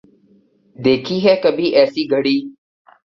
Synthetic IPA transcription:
d̪eːkʰiːɦɛːkəbiːʔɛːsiːɡʱəɽiː

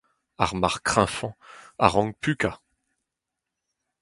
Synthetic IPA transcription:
aʁmaʁkχɛ̃fɑ̃a̰ʁɑ̃ɡ̚pyka

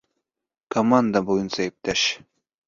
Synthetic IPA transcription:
kʰomand̪abojunsaep̚t̪æʃ

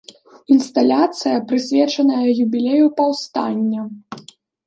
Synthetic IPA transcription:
inst̪alʲat̪sɨjɐpɾɨsʲvʲɛt͡ʂɐnɐjɐjubʲilʲejupɐwst̪a̰nʲːɐ

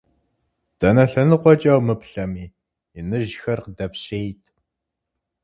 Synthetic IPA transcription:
d̥ɐnɐɬɐnɨqʷʼɔt͡ʃʼɐwmɨpɬɐmiː | inɨʒxɐrqdɐpɕeːjtʰ

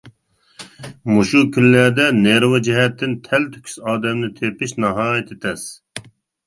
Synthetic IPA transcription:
muʃukʲʰynlæɾd̪ɛneɾwɛd͡ʒɪɦɛt̪ːɪnt̪ʰɛlt̪ʰy̥kʲʰy̥sɑːd̪ɛmnɨt̪ʰepɪʃnɑɦɑːjɛt̪ʰɪt̪ʰɛs

